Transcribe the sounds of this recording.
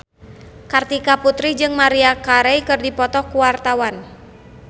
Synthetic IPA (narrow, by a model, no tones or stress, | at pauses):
kart̪ikaput̪ɾid͡ʒɨŋmaɾiakaɾɛjkɨrdipɔt̪ɔhkuwart̪awan